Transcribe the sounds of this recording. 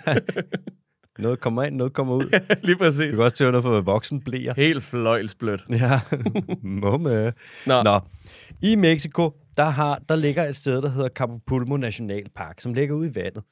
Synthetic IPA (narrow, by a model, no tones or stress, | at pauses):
nɔ̽ːð̩ˠkʰɒ̽m̰ɐe̝n̰ːɔːð̩ˠkʰɒ̽m̰ɐuð̰ˠliːpʰʁɛs̬ḭːukʰæɒ̽st͡sʰeɐnɔ̽ð̩ˠfɒʋæʋɒ̽ɡ̥sn̩b̥lḛːɐhe̝̰ːld̥flɒ̽ɪ̰lsb̥lød̥jæ | mɔm | nɒimeɡ̥sikʰo̝ | d̥ɑ̈ɦɑ̈d̥ɑ̈le̝ɡ̥ɐe̝d̥sd̥eð̞ˠd̥ɑ̈ɦe̝ð̞̰ˠɐkʰɑ̈pʰopʰulmo̝næɕo̝nɛ̰ːlpʰɑ̈ɡ̥sɒ̽mle̝ɡ̥ɐuð̰ˠiʋæn̰ð̞̩ˠ